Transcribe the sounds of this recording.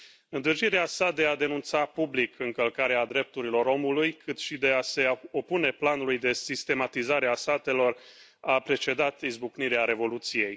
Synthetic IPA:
ɨnd̪ɨrd͡ʒiɾeasad̪e̞ad̪e̞nunt̪sapublikʰɨŋkəlkaɾead̪ɾe̞p̚t̪uɾilo̞ɾo̞mulujkʰɨt̪ʃid̪e̞ase̞o̞pune̞planulujd̪e̞sist̪e̞mat̪izaɾeasat̪e̞lo̞r | apɾe̞t͡ʃe̞d̪at̪izbukniɾeaɾe̞vo̞lut̪sije̞j

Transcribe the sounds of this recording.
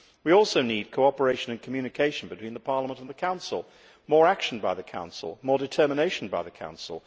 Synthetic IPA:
wiɔlˠsoʊnid̚kʰoʊɑpə˞eɪʃɨ̃nɨ̃nkʰmjʉnɨkʰeɪʃn̩bɨtwĩnðəpʰɑɹlˠəmə̃ñə̃n̩ðəkʰãʊ̃nsl̩ˠ | mɔɹækʃn̩baɪðɨkʰã̰ʊ̃nsl̩ˠmɔɹdɨtʰɜ˞məneɪʃn̩baɪðɨkʰã̰ʊ̃nsl̩ˠ

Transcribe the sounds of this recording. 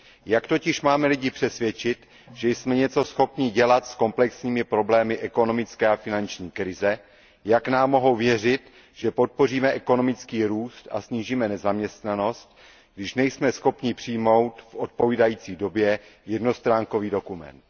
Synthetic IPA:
jakt̪o̞cɪʃmaːmɛlɪɟɪpr̥ɛsvjɛt͡ʃɪt̪ | ʒ̥ɛjsmɛɲɛt͡so̞sxo̞pɲɪɟɛlat̪sko̞mplɛksɲiːmɪpɾo̞blɛːmɪʔɛko̞no̞mɪt͡skɛːafɪnant͡ʃɲiːkɾɪzɛ | jaknaːmːo̞ɦo̞wvjɛrɪt̪ | ʒ̥ɛpo̞t̪̚po̞riːmɛʔɛko̞no̞mɪt͡skiːɾuːst̪a̰sɲiːʒiːmɛnɛzamɲɛst̪nano̞st̪̚ | ɡdɪʃnɛjsmɛsxo̞pɲɪpr̥ɪjmo̞wt̪fʔot̪̚po̞viːdajiːt͡siːdo̞bjɛjɛdno̞st̪ɾaːŋko̞viːdo̞kumɛ̰nt̪

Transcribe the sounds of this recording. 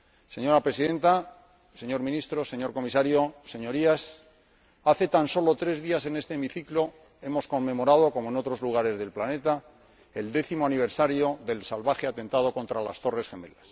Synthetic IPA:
se̞ɲo̞ɾapɾe̞siðe̞nt̪a | se̞ɲo̞ɾmĩnist̪ɾo̞se̞ɲo̞ɾko̞misaɾjo̞se̞ɲo̞ɾias | aθe̞t̪anso̞lo̞t̪ɾe̞zðiase̞ne̞st̪eːmiθiklo̞ | e̞mo̞sko̞mːe̞mo̞ɾað̞o̞ko̞moe̞no̞t̪ɾo̞zluɣ̞aɾe̞zðe̞lplane̞t̪a | e̞ld̪e̞θimoaniβ̞eɾsaɾjo̞ðe̞lsalβaxe̞at̪e̞nt̪að̞o̞ko̞nt̪ɾala̰st̪o̞re̞sxe̞me̞las

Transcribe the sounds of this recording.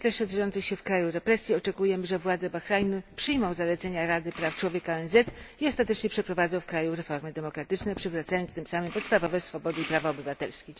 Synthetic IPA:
t̪lɛʂʂɛzɔjɔnt̪sɨxɕɛfkɾajuɾɛpɾɛsʲjiɔt͡ʂɛkujɛmɘʐɛvwad̪zɛbaxɾajnupʂɘjmɔ̃w̃zalɛt̪sɛɲaɾad̪ɘpɾaft͡ʂwɔvʲjekaɛnzɛt̪iɔst̪at̪ɛt͡ʂɲɛpʂɛpɾɔvad̪zɔ̃w̃fkɾajũɾɛfɔɾmɘd̪ɛmɔkɾat̪ɘt͡ʂnɛpʂɘvɾat̪sajɔntst̪ɘmsamɘmpɔt̪st̪avɔvɛsfɔbɔd̪ɘipɾavaɔbɘvat̪ɛlskʲe

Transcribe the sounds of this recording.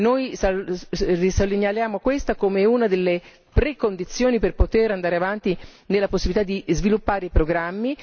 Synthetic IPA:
nojsarisolːiɲjaljaːmokwest̪akomeunad̪elːe | pɾekːond̪it̪sːjoːniperpot̪eɾand̪aːɾeavant̪inelːaposːibilit̪ad̪ːizvilupːaːɾeipɾoɡɾamːi

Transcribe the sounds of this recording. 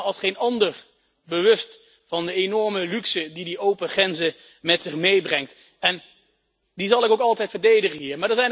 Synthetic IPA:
ɑlˠsχejnɑndəɹ | bəʋɵst | fɑndəenɔɹməlyksədidiowpəχrɛnzə | mɛtsɪχmejbrɛŋkt | ɛn | dizɑlˠɪkowkɑlˠtɛjtfəɹdejdəχəɦiːɹmaːɹdəɹzɛjn

